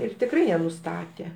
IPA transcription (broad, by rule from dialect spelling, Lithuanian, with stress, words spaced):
ˈɪr tʲɪkˈrɐɪ jiɛ nʊˈstɑːtʲeː